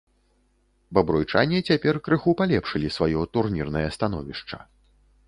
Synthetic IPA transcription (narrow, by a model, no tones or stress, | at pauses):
bɐbɾujt͡ʂa̰nʲit͡sʲapʲɛrkɾɨxupalʲɛpʂɨlʲisvajɔt̪urnʲirnɐjɐst̪anɔ̰vʲiʂt͡ʂɐ̥̰